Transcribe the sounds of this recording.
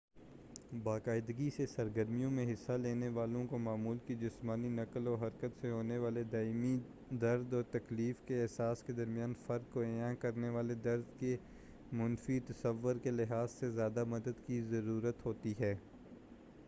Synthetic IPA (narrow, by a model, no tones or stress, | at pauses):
baːkaːɪd̪ɡisesɐɾɡəɾmijõmẽɦɪsːaleːneʋaːlõkomaːmuːlkid͡ʒɪsmaːninɐkəlɔːɾɦɐɾkət̪seɦoːneʋaːled̪aːimi | d̪ɐɾd̪ɔːɾt̪ɐkliːfkeɛɦsaːsked̪ɐɾmijaːnfɐɾkːoeãːkɐɾneʋaːled̪ɐɾd̪ke | mʊnfit̪ɐsəʋːʊɾkelɪɦaːzsezjaːd̪amɐd̪əd̪kizɐɾuːɾət̪ɦoːt̪iɦɛː